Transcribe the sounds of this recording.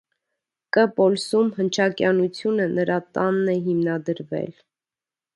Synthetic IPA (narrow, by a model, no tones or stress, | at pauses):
kəpɔlsumhənt͡ʃʰɑkjɑnut͡sʰjunənəɾɑt̪ɑnːɛɦimnɑd̪əɾvɛ̰l